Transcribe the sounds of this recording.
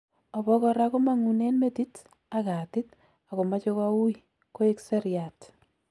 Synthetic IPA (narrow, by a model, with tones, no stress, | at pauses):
a˨βɔ˦kɔ˧ɾa˦ko˦ma˦ŋu˨ne˦nme˦ti˦t | a˨ka˨tɪ˦t | a˨ko˨ma˦t͡ʃo˦kɔ˦u˦j | ko˦e˦kse˦ɾja˨t